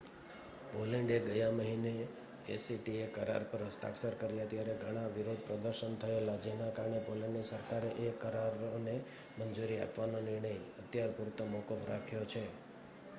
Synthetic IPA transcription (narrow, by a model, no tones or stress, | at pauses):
poleɳɖeɡəjaməɦine | ḛsiʈiekəɾa̰ɾpəɾɦəsʈa̰ksəɾkəɾijat̪jaɾeɡʱəɽ̃aʋiɾod̪̚ʱpɾəd̪əɾʃənt̪ʰəelad͡ʒenakaɾəɳepoleɳɖisəɾkaɾeʔekəɾaɾone | mənd͡ʒuɾia̰pʋanonɪɾɳəjət̪jaɾpuɾt̪əmɔkəfɾakʰjot͡ʃʰe